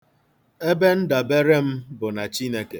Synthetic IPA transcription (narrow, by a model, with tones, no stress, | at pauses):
e˦be˦n̩˦da˨be˦ɾe˦m̩˦bʊ˨na˨t͡ʃi˦ne˦ke˨